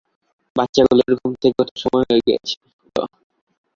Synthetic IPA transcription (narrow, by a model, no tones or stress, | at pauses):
bat̪ːɕaɡuloɾɡʱumt̪ʰekɡɔt̪ʰoʃɔmɔjɦoeɡɛ̰et͡ɕʰi̥ | t̪o̰